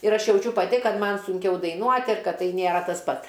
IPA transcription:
ɪr ˈɐʃ jɛʊˈt͡ʃʲʊ pɐˈtʲɪ ˈkɐt ˈmɐn sʊŋʲˈkʲɛʊ dɐɪˈnuɔtʲ ɪr ˈkɐt ˈtɐɪ nʲeːˈrɐ tɐs ˈpɐt

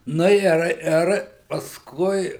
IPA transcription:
ˈnʊ ɪr ˈɪr pɐsˈkʊɪ

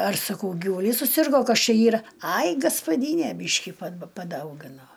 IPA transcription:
ɐr sɐˈkɐʊ ɡʲɪʋʊˈlʲiːs sʊˈsʲɪrɡoː ˈkɐs ˈt͡ʃʲɛ ˈiːrɐ ˈɐɪ ɡɐspɐˈdʲiːnʲeː ˈbʲiːʃʲkʲɪ pɐ pɐˈdɐʊɡʲɪnoː

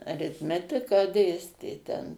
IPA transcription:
ɐrʲɪtʲˈmʲæːtʲɪkɑː ˈdʲeːsʲtʲeː tʲɛn

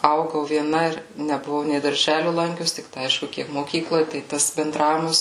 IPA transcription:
ˈɐʊɡɐʊ ʋʲiɛˈnɐ ɪr nʲɛbʊˈʋɐʊ nʲɛɪ dɐrʲˈʒʲæːlʲʊ ˈlˠɐŋʲkʲʊs tʲɪkˈtɐɪ ˈɐɪʃkʊ ˈkʲiɛk moːˈkʲiːklˠoːj tɐɪ ˈtɐs bʲɛnˈdrɑːʋʲɪmɐs

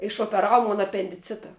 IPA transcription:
ɪʃoːpʲɛˈrɑːʋʊ ˈmoːn ɐpʲɛnʲdʲɪˈt͡sʲɪtɐ

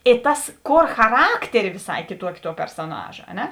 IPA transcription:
ɪ ˈtɐs ˈkoːr xɐˈrɑːktʲɛrʲɪ ʋʲɪˈsɐɪ kʲɪˈtuɔkʲɪ tuɔ pʲɛrsoːˈnɑːʒɐ ɐ ˈnʲɛ

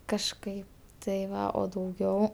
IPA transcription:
kɐʃˈkɐɪ tɐɪ ˈʋɐ oː dɐʊˈɡʲɛʊ

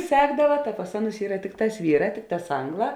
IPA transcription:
ˈsʲæːɡdɐʋɐ tɐ pɐs ˈɑːˌnʊs ˈiːrɐ ˈtʲɪkˌtɑːs ˈʋʲiːˌrɑː ˈtʲɪkˌtɑːs ˈɐŋɡˌlˠɑː

